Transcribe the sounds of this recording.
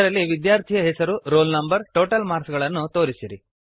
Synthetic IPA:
ɐɾɐlːiʋid̪jaːɾt̪ʰijɐɦɛsɐɾuɾoːlnɐmbɐɾʈoːʈɐlmaːɾsɡɐɭɐnːut̪o̞ːɾisiɾi

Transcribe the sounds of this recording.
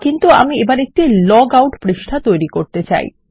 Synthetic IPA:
kint̪ua̰miebaɾek̚ʈilɔɡawʈpɾeʃʈʰat̪ojɾikoɾt̪et͡ɕa̰j

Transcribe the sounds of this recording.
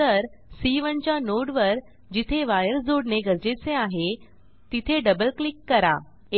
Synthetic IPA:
əɾ | siʋəɳt͡ɕjanoɽʋəɾ | d͡ʑit̪ʰeʋajəɾd͡zoɽneɡʱəɾd͡ʑet͡seaɦe | t̪it̪ʰeɖəbəlklikːəɾa̰

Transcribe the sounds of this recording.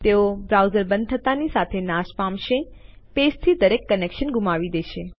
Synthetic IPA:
t̪eobɾawzəɾbə̃nd̪ʰət̪anisat̪ʰenaʃpãmʃepest̪ʰid̪əɾekːənekʃənɡʱumaʋid̪eʃe

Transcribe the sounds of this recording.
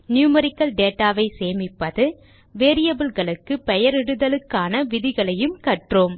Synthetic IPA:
njuːmɐɾɪkːɐlɖeːʈːaːʋɐɪseːmɪpːɐðɯ | ʋeːɾɪjɐbɯlɣɐɭɯkːɯpɛjɐɾɪɽɯðɐlɯkːaːnɐʋɪðɪɣɐɭɐjɯmkɐʈroːm

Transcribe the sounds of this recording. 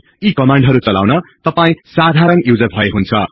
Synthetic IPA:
ikʌmaɳɖɦʌɾut͡sʌla̰wnʌt̪ʌpaĩsad̪ʱaɾʌnjud͡zʌbʱʌeɦunt͡sʰʌ̰

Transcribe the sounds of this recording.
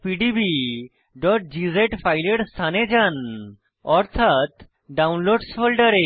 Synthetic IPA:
piɖibi | ɖɔʈ̚d͡ʒizeʈpʰajleɖst̪ʰaned͡ʒan | ɔɾt̪ʰat̪ | ɖawnloɖspʰolɖəɾe

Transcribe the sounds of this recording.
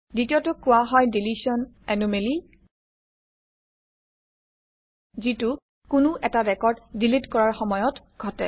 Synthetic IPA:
ditiotʊkʊwaɦɔjdilisɔn | ɛnumeli | zitʊ | kʊnʊʔɛtaɹɛkɔɹddilitkɔɹaɹxɔmɔjɔt | ɡʱɔtɛ

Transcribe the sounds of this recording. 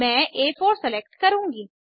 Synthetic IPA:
mɛ̃ːʔeːfʰoːɾsɛlɛk̚ʈkəɾũːŋɡiː

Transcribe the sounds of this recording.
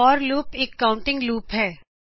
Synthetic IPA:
ɔːɾluːpeːkːãːʊ̃ɳʈɪ̃ŋɡluːpɦɛː

